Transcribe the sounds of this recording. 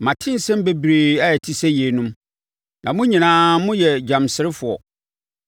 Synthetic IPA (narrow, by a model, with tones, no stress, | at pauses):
mã˨tʰɪ̃˦n̩˨sɛ̃˦m˦be˦bɾeː˨a˦ɛ˨tʰi˦sɛ˦je˨˦nʊ̃˦m | nã˨mʊ̃˦ɲĩ˨nãː˨˦mʊ̃˦jɛ˨d͡ʑã˨msɪ˨˦ɾɪ˦fʊ˨ɔ̰˨